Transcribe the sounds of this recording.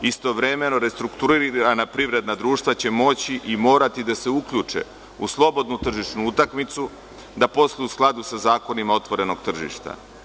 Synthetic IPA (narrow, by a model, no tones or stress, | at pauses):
ist̪o̞ʋɾe̞me̞no̞ɾe̞st̪ɾukt̪uɾiɾanapɾiʋɾe̞d̪nad̪ɾuːʃt̪vat͡ɕe̞mo̞t͡ɕiʔimo̞ːɾat̪id̪ase̞ukʎut͡ʂḛ | uslˠo̞bo̞d̪nut̪r̩ʒiʃnuut̪akmit̪su | d̪apo̞slˠiusklˠad̪usazaːko̞nimao̞t̪ʋo̞ɾe̞noɡt̪r̩ʒḭʃt̪a̰